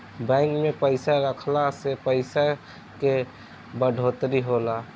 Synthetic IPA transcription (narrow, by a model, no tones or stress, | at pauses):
bɛ̃ːŋkmẽpəɪsaɾəkʰlasepəɪsa | ke | bəɖʱoːt̪ɾiɦoːlaː